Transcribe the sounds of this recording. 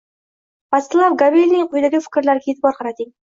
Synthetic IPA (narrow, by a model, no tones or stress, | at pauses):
paslˠavɡabilʲnɪŋqʰʊjd̪aɡʲɪfɪ̥kʲɾlaɾɡʲaet̪ʰɪbɒɾqʰɑɾat̪ɪŋ